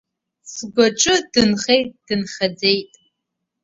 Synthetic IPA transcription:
sɨɡʷɔʈ͡ʂʼɨdɨnχejd̥ɨnχɐd͡zejtʼ

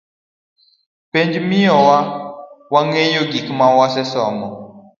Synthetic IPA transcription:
pend͡ʒmiɔwawaŋejoɡikmawasɛsɔmɔ

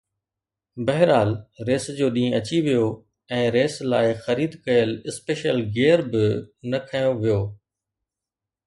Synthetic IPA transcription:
bɐɦɪɾaːlɾeːsd͡ʑoːɗĩːɐt͡ɕiʋijo | ɛ̃ːɾeːslaːɪxɐɾiːd̪kɐjəlɪspeːʃəlɡeːəɾbɪnɐkʰajoʋijoː

